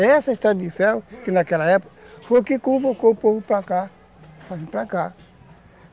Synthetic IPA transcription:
ɛsaist̪ad̪ifɛwkinakɛlaɛpo̥kfokikũfokopovupɾaka | faɦĩpɾaka

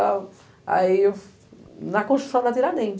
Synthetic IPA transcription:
a | a̰i | nɐkõʃt̪ɾsɐ̃w̃nɐt̪iɾanẽj̃

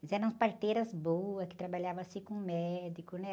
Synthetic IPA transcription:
fizɛɾɐ̃spaɾt̪ejɾɐzbowɐskɪ̥t̪ɾabaʎavɐsikõmɛd̪ikʊnɛ

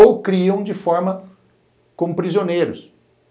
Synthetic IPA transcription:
owkɾiɐ̃w̃d͡ʒɪfɔɾmɐ | kõpɾizionejɾʊs

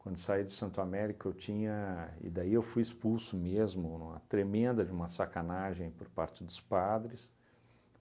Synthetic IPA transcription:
kwɐ̃nd̪ʊsaid̪ʊsɐ̃nt̪ɾamɛɾikʊewt͡ʃĩɲɐɪ̰d̪aiewfujispulsʊmezmʊnũmɐt̪ɾemẽnd̪ɐd͡ʒɪũmɐsakanaʒẽj̃poɾpaɾt͡ʃɪd̪ʊspad̪ɾɪs

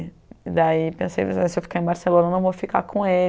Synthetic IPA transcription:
id̪aipẽsḛjsɪewfi̥kaɾẽbaɾselõnɐnɐ̃vofika̰kʰõe

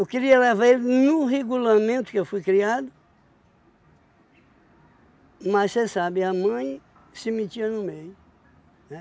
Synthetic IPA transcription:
ewkɪɾiɐlɛvaelɪnʊɦeɡulamẽnt̪ʊ̥kɪewfujkɾiad̪ʊ | massesabɪɐmɐ̃j̃ | sɪmit͡ʃiɐnʊmejʊ | nɛ

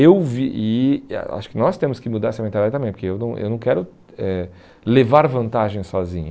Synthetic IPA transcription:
ewviʔɪ̰a̰ʃʊ̥kɪnɔst̪ẽmʊskɪmud̪aɾɛsɐmẽnt̪ad̪ad͡ʒɐt̪ɐmẽpoɾkeewnɐ̃w̃ʔḛwnɐ̃w̃kɛɾʊ | ɛ | levaɾvɐ̃nt̪aʒẽj̃sɔzĩɲɐ

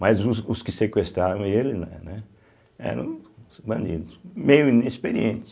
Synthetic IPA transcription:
mazʊʊskɪsekwest̪ɾaɾɐ̃w̃elɪnɛnɛ | ɛ̰ɾɐ̰̃w̃bɐ̃nd͡ʒḭd̪ʊsmejʊĩnespeɾiẽnt̪ɪ̥s

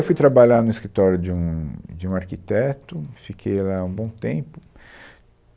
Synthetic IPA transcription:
wfujt̪ɾabaʎanʊiskɾit̪ɔɾjʊd͡ʒɪũd͡ʒɪũaɾkit̪ɛt̪ʊfikʰejlaũbõw̃t̪ẽpʊ̥

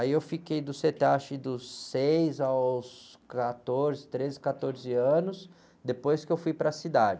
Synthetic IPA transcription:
aiewfikejd̪ʊset̪eaʃɪd̪ʊsejzaskat̪oɾzɪt̪ɾezɪkat̪oɾzɪɐ̃nʊs | d̪epojskɪewfujpɾɐsid̪ad͡ʒɪ

